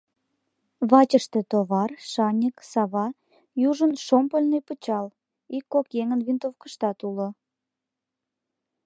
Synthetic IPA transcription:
βɑt͡ɕəʃt̪et̪oβɑrʃɑnʲiksɑβɑ | juʒənʃompəlʲnejpət͡ɕɑl | ikːokjeŋənβint̪ofkəʃt̪ɑt̪ulo

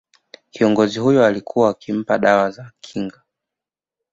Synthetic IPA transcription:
kiɔŋɡɔziɦujɔalikʰuwaːkim̩paɗawazakʰiŋɡa

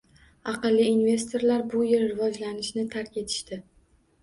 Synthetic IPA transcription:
ɑqɨlˠːiːnve̞st̪ʰo̞ɾlaɾbʊjɪɾɾɪvɒd͡ʒlanɪʃnɪt̪ʰaɾkʲe̞t̪ʰɪ̥ʃt̪ɪ

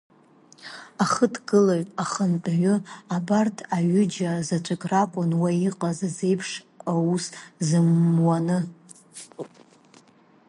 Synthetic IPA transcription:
aχətʰɡɨlaɥʼaχəntʼɥʊabartʰaɥʊd͡ʒazat͡ʃʷʰʼakʼrakʷʼʊnwaiqʼazaze̞jpʰʂ | auszɨmwanɨ

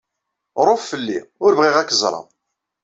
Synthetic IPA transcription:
ɾˤoffəlːḭʊɾvʁiʁækːəzˤɾˤɑ̰ð

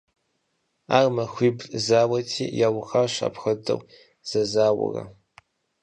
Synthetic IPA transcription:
aːrmɐxʷiːbzaːwɐtʰiːjaːwʊxaɕa̰pxɐdɨ̰wʷ | z̥ɐzaːwɐ̰rɐ̰

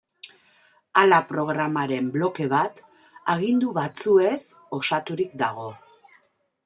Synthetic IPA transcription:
alapɾo̞ɣɾamaɾe̞mblo̞ke̞βat̪ | aɣind̪uβat͡sue̞s | o̞sat̪uɾikd̪aɣ̞o̞

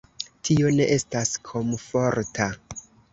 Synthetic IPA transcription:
tʰio̞ne̞ʔe̞staskʰo̞mfo̞ɾtʰa

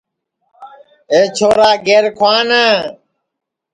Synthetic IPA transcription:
eːt͡ʃʰoːɾaːɡeːɾkʰwaːnaː

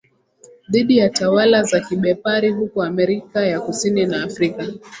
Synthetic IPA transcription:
ðiɗijatawalazakiɓɛpaɾiɦukɔamɛɾikajakusininaːfɾika

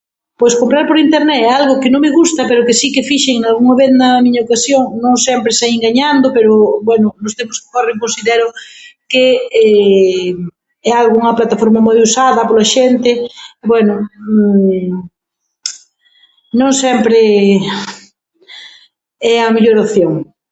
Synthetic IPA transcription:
pojskompɾaɾpoɾint̪eɾnɛalɣʊkɪnõŋmeɣust̪ɐpeɾʊkɪsikɪfiʃeŋnalɣuŋɐβeθd̪ɐmiɲaokasjoŋnõŋsɛmpɾɪsaieŋɡaɲand̪ʊpeɾʊbwɛnʊnʊst̪empʊskɪ̥koreŋkõnsiðɛɾʊkeɛ | ɛalɣuuŋɐplat̪afoɾmɐmojusaðɐpolɐʃent̪ɪbwɛnʊ | nõŋsɛmpɾe | ɛɐmeʎoɾopθjoŋ

